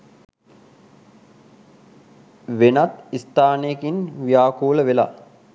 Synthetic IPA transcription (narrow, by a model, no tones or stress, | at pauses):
ʋenat̪ist̪aːnejkinʋijaːkuːləʋela̰